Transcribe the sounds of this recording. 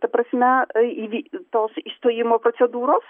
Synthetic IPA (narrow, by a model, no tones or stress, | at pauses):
t̪ɐpɾɐsʲmʲɛiʋʲit̪oːsist̪ojimopɾɔt̪sʲɛd̪uːɾos